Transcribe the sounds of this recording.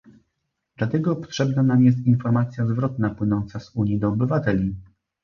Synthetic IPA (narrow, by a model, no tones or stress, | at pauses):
d̪̥lat̪ɛɡɔpɔ̥t̪ʂɛbnanamjɛst̪infɔɾmat̪sʲjazvɾɔt̪napwɘnɔnt̪sazuɲjid̪ɔɔbɘvat̪ɛlʲi